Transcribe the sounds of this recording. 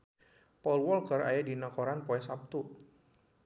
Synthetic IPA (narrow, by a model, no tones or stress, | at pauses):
pɔlwɔlkəra̰jadinakoɾanpoɛsap̚t̪u